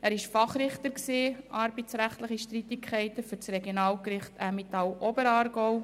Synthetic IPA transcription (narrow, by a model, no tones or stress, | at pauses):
æːɾɪʃfɑχɾɪχt̪əɾksiːʔɑɾbɛt͡sɾæχt̪ləχiʃtɾit̪ɪkʰχɛɪtəfʏɾt͡srɛɡjonɑːlkɾɪχt̪æmɪt̪ɑwʔɔbəɾɑːɾɡoʊ